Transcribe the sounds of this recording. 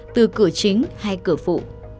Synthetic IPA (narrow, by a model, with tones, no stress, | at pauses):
t̪ɨ˨˩kɨ˧˩ət͡ɕï˨˦ŋ̟ha˧jkɨ˧˩əfṵ˧˨